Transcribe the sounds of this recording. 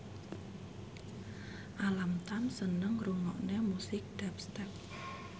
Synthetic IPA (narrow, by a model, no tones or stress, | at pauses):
ʔalamt̪ansənəŋruŋɔʔnemusɪk̚d̪̥ɛpst̪ɛp̚